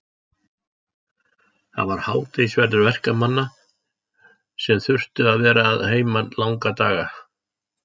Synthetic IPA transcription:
θa̰ðvaɾ̥haːwt̪esvɛɾtðʏɾvɛr̥kamanːa | sɛmθʏr̥t̪ʏaðvɛːɾaːðheːjmanlawŋkat̪aːɣa

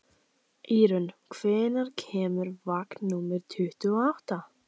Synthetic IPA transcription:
iːɾʏnkʰvɛːðɪnaɾ̥cʰɛːmʏɾvaknnːumɪɾ̥t̪ʰʏht̪ʏɔawht̪a

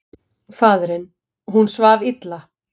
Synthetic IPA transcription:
faːðɾɪn | ɦunsvaːvit̪la

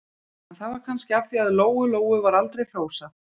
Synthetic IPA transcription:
ɛnθaðvaɾkʰanscɪafθiaðloːwʏloːwʏvaɾalt̪ɾejl̥oːwsa

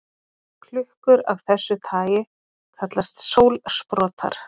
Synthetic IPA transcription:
kʰlʏhkʏɾavθɛsːʏt̪ʰaːjɪ | kʰat̪last̪soːwlspɾɔːt̪ʰa̰ɾ̥

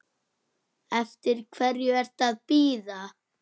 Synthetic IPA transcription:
ɛft̪ɪɾ̥kʰvɛrjʏɛr̥t̪aðpiːða

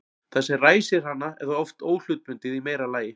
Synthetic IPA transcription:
θɛsːɛraːjsɪr̥hanːaɛɾðaɔft̪oːwl̥ʏt̪̚ɾʏnt̪ɪðimejɾalaːjɪ

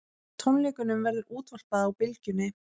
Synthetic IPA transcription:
t̪ʰownlɛːkʏnʏmvɛɾðʏɾuːt̪val̥paðaawpɪlcʏnːɪ

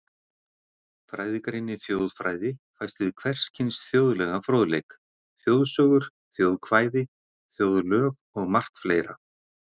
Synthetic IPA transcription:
fɾaːjðɪkɾejnːɪθjowðfɾaːjðɪfajst̪vɪðkʰvɛr̥scʰɪnsθjowðlɛɣafɾowðlejk | θjowðsœːɣʏɾ̥ | θjowðkʰvaːjðɪ | θjowðlœːɣ | ɔɣmar̥t̪fleːjɾa̰

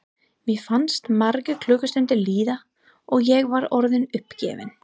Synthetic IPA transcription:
mjɛfanst̪maɾkʏkʰlœːkʏst̪ʏnt̪ɪliːða | ɔɣjɛɣvaɾɔɾðɪnʏhpcɛ̰ːvɪ̰n

